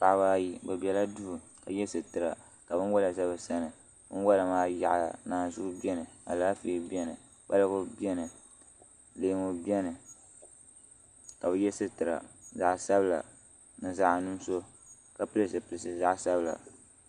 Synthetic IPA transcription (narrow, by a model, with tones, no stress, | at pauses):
pa˨ʔbaː˦ji˦bɛ˨bi˨ɛ˨la˦du˦˨ | ka˨jɛ˦sɨ˨tɨ˨ɾa̰˨ | ka˨bɨ˦nwa˦la˨za˦bɨ˨sa˦nɨ˨ | bɨ˦n˦wa˦la˨maː˦ja̰˨ʔnaː˨zʊ˦ʔʊ˦bi˦ɛ˦nɨ˨a̰˨laː˦feː˨˦bɛ˦nɨ˨ | ba˦lɨ˦ɡʊ˦bi˦ɛ˦nɨ˨ | leː˨˦ŋo˨bi˦ɛ˦nɨ˨ | ka˨bɛ˦jɛ˦sɨ˦tɨ˨ɾa̰˨za˨ʔsa˦bɨ˦˨la̰˨ | nɨ˨za˦ʔnu˦m˦so˦ | ka˨pɨ˦lɨ˦sɨ˨pɨ˨lɨ˨sɨ˨za˦ʔsa˦bɨ˨la̰˨